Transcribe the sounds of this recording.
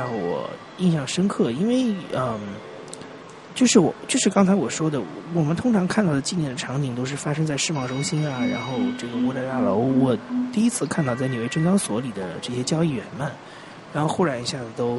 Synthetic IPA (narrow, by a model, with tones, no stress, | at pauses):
ɻɑ˥˩wɔ̰˨˩ | i˥˧nɕjɑ˥˩ŋʂə˥nkʰɤ˥˩i˥nwe˥˧ɪə˧˩ | t͡ɕjo˥˧ʊʂɻ̩˥˩wɔ̰˨˩t͡ɕjo˥˧ʊʂɻ̩˥˧kɑ˥ŋt͡sʰa˧˥ɪwɔ˨˩ʂwɔ˥d̪ə˨˩wɔ˨˩mə˦nt̪ʰʊ˥ŋʈ͡ʂʰɑ˧˥ŋkʰa˥˧t̪ɑ˥˩ʊd̪ə˩t͡ɕi˥˧njɛ˥˩nd̪ə˩ʈ͡ʂʰɑ˧˥ŋt͡ɕ̪i˨˩ŋt̪̬o˥ʊʂ̬ɻ̩˥˩fa˥ʂɤ˥ŋt͡sa˥˧ɪʂɻ̩˥˧mɑ˥˩ʊʈ͡ʂʊ˥ŋɕi˥nɐ˨ɻa̰˧˥nxo˥˧ʊʈ͡ʂɤ˥˩ɡə˩u˧˥ta˥˧ɪt̪a˥˩lo˧˥ʊwɔ˨˩t̪i˥˩i˥t͡sʰɹ̩˥˧kʰa˥˧nt̪ɑ˥˧ʊt͡sa˥˩ni˨˩we˥˩ɪʈ͡ʂɤ˥ŋkɑ˥ŋswɔ˧˥li˨˩d̪ə˦ʈ͡ʂɤ˥˩ɕjɛ˥t͡ɕjɑ˥ʊi˥˩ɥɛ̰˧˥nma˥˩n | ɻa˧˥nxo˥˧ʊxu˥˩ɻa˧˥ni˧˥ɕja˥˩d͡z̩˩t̪o˥ʊ